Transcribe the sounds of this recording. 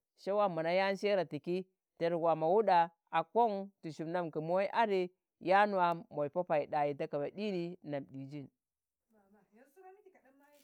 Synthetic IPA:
ʃe˦wa˦ma˨na˦ja˦n˦ʃe˦ɾa˨ti˨ki˦ | te˨ɾɡʷa˨ma˨wu˦ɗa˨ | a˨ko˦ŋtu˨ʃu˨bna˦mki˨mu˦a˦i˦ʔa˦ɾi˦ | ja˦n˨a˨mo˨i˨po˦pa˨i˨ɗa˨ji˨ta˦ka˨ba˨ɗi˦ni˦na˨mɗi˨d͡ʒi˦˨n

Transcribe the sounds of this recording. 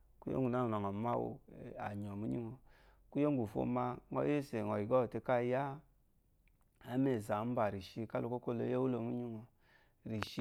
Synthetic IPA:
ku˦jo̰˦ŋ˦˨u˨na˦˨na˨ŋɔ˨ma˦wo̰˧˨a̰˨ɲɔ˨mu˦ɲḭ˦ŋo˨ku˦jo˦ŋ˦ɡu˨fo̰˧˨ma˧ŋɔ̰˦je˦se˨ŋɔ˨i˨ɡɔ˦˨te˧ka˦ja˦ | a˨˦me˦˨za˨˦m̩˦ba˨ɾi˨ʃi˧ka˦lo˧ko˦ko˦˨lo˧˦je˦wu˦lo˧˨mu˦ɲi˦ŋo˨ | ɾi˨ʃi˧˦

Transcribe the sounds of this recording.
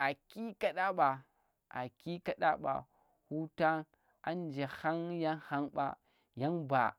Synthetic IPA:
a˨ki˦ka˦ɗa˦ɓa˨ | a̰˨ki˦ka˦ɗa˦ɓa̰˨ | hu˦ta˦ | a˨nd͡ʒe˨ha˦ŋja˦nha˦nɓa̰˦ | ja˦nba̰˨

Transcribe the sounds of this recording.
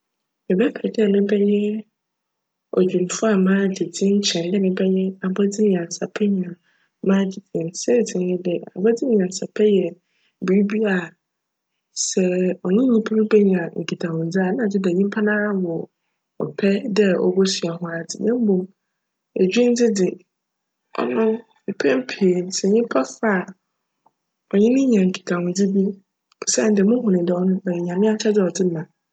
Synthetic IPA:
mɪ˨bɛ˦pʰɛ˨dɪ˦a˨nɪ̃˦bɛ˦ɲɛ̃˦ | ɔ̰˨d͡ʑᶣũ˨n˨fʊ˦a˨mãː˦dɪ˨d͡zɪ̃˦n̩˦t͡ɕʰɛ̃˨ndɪ˦nɪ̃˦bɛ˦ɲɛ̃˦a˨bɔ˦d͡zɪ˦m̃˨ã˨n˨sa˨pʰɛ˦ɲ˨ã˨ | mãː˦d͡ʑɪ˦tɪ̃˨nsɛ˦˨d͡zɪ̃˨n˦ɪ̃˦dɪ˨a̰˨bɔ˦d͡zɪ˦m˨ã˨n˨sa˨pʰɛ˦jɛ˨ | bi˨i˦bi˦a˨ | sɛ˨ɔ˨nʊ̃˦ɲũ˦pʰu˦ɾʊ˦bɛ˦ɲ˨ã˨ŋ̩˨kʰi˨tʰa˨wʊ̃˨n˨d͡zɪ˦a˨nã˨d͡zɪ˦dɛ˨ɲĩ˦m˦pʰa˦nãː˦wɔ˨ | ɔ̰˨pʰɛ˦dɛ˦ɔ̰˨bɔ˦sɥa˨hʊ̃˦a˨dɪ̰˨nã˦m˦bõ˨ | æ˨d͡ʑᶣɥi˦n˦d͡zɪ˦dɪ˨ | ɔ̰˦nʊ̃˦m | ɪ˨pʰɛ̃˦m˦pʰe˨n˨sɛ˨ɲĩ˦pʰa˦fa˦a˨ | ɔ˨ɲɪ̃˦nɪ̃˦ɲã˨ŋ̩˨kʰi̥˨tʰã˨wʊ̃˨d͡zɪ˦bi˦ | pʰʊ̥˨sã˦˨n˨dɪ˨˦mʊ̃˦ɦʊ̃˨nɪ̃˨dɛ˨ɔ˦nʊ̃˦ɛ˨jɛ˨ɲã˨mɪ̃˦a˦t͡ɕʰɛ˦dɪ˦ɔ˨dɪ˦mã˨

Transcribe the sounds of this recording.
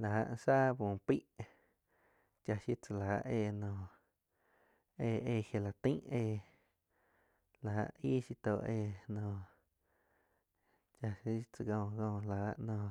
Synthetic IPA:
la˨a̰˧ʔsaː˦bũː˨pi˦ʔ | t͡ʃa˧ʃi˦t͡sa˧˨laː˨˦ʔʔeː˧˨nõː˧˨ | eː˧˨eː˧˨hje˧la˨t̪ĩ˦ʔeː˧˨ | la˨a̰˧ʔiː˦ʃi˧t̪o˧˨ʔeː˧˨nõː˧ | t͡ʃa˧ʃi˦t͡sə˧ɡõ˧˨ɡõː˧˨laː˨˦ʔnõː˧˨

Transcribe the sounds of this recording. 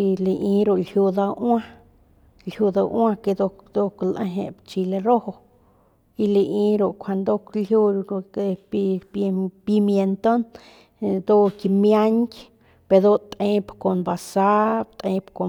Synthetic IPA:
i˧le˧ʔi˧ɾo˨lhju˧d̪a˧wa˦ | lhju˧d̪a˧wã˧ke˧d̪o˧d̪o˧klʔa˧ɦḛ˨bt͡ʃi˧le˧ɾo˦ho˧ | i˧le˧ʔĩ˧ɾo˨kʷʰa˧nd̪o˦klju˧e˧i˧ppi˧mje˧nt̪o˦n | d̪o˦ki˧mja˦ɲkʲ | pe˧d̪o˦t̪ʼẽ˧pko˨nba˨sa˦t̪ʼẽ˧pko˨

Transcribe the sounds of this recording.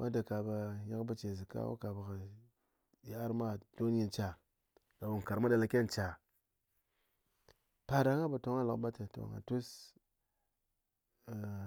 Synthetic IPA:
mʔa˦də˨ka˨ba˨ja˦kbə˦t͡ʃe˨zi˨ka̰˦wo̰˦ka˨ba˨kə˨ | ja˨a˦ɾma˦˨do˦n˦i˨nt͡ʃa˨ | ɡ̥a˨wu˨ŋ˨ka˨ɾma˦da˨la˦kʲe˦nt͡ʃa˨ | pa˨da˨ŋa˦ba˨to˨ŋa˦la˨˦ba˦tə˨to̰˨ŋa̰˨tu˦s

